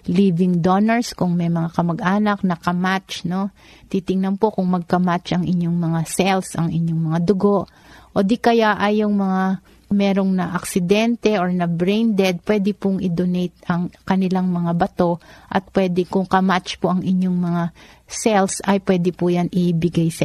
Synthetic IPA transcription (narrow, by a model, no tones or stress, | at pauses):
liːvɪŋd̪onɐɹskʊŋmɛjmɐŋakɐmɐɡʔaːnɐk̚nɐkɐmat͡ʃno̞ | t̪it̪ɪŋnɐnpo̞kʊŋmɐɡ̚kɐmat͡ʃʔɐŋʔɪɲːoŋmɐŋasɛlsʔɐŋɪɲːoŋmɐŋad̪ʊɡo̞ʔ | ʔod̪ikɐjaʔɐjːʊŋmɐŋa | mɛɾoŋnɐʔɐksɪd̪ɛnt̪ɛʔoɹnɐbɹɛjnd̪ɛd̪̚pwɛːd̪ɪpʊŋʔɪd̪onɛjt̪̚ɐŋkɐnɪlaŋmɐŋabɐt̪o̞ʔɐ̰t̪̚pwɛːd̪ɪkʊŋkɐmat͡ʃpoʔɐŋʔɪɲːoŋmɐŋasɛlsɐjpwɛd̪ɪpʊjanɪbɪɡajsɐ